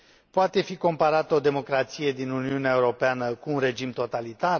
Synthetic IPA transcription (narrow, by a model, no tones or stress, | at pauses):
poat̪e̞fiko̞mpaɾat̪əo̞d̪e̞mo̞kɾat̪sije̞d̪inuniuneaeuɾo̞peanəkuːnre̞d͡ʒimt̪o̞t̪alit̪ar